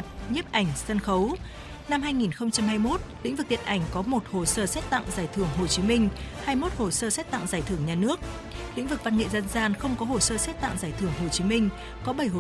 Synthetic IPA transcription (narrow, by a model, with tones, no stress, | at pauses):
t̚ɲə˦˥p̚ʔa˨˧˩jŋ̟sə˧nxə˨˦w | na˧mɦaː˧jŋi˨˩nxə˧wŋ͡mt͡ɕa˧mhaː˧jmo˦˥t̚lḭ̈˧˥ŋ̟vɨ˨˩t̪i˨nʔa˧˩jŋ̟kɔ˨˦mo˨˩t̚ho˨˩səː˧sɛ˦˥t̚t̪a̰˧˨ŋzaː˧˩jt̪ʰɨ˧˩əŋɦo˨˩t͡ɕi˨˦mï˧ŋ̟haː˧jmo˦˥t̚ho˨˩səː˧sɛ˦˥t̚t̪a̰˧˨ŋzaː˧˩jt̪ʰɨ˧˩əŋɲaː˨˩nɨ˦˥ək̚ | lḭ̈˧˥ŋ̟vɨ˨˩k̚va˧nŋḛ˧˨zə˧nzaː˧nxə˧wŋ͡mkɔ˨˦ho˧˩səː˧sɛ˦˥t̚t̪a̰˧˨ŋzaː˧˩jt̪ʰɨ˧˩əŋɦo˨˩t͡ɕi˨˦mï˧ŋ̟ | kɔ˨˦ɓə˧˩jɦ